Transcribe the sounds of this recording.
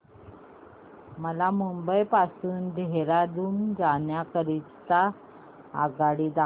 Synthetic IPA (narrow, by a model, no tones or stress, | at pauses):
məlamumbəjpasuːnd̪ʱeɾad̪uːnd͡zanjakəɾi | t͡sa̰ː | ɡaɽiːd̪a